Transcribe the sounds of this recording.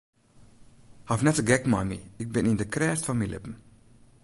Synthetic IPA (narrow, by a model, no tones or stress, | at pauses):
hafnɛtəɡɛkmajmḭɪk̚bɪnindəkrɛːstfɔnmilɪ̰pən̩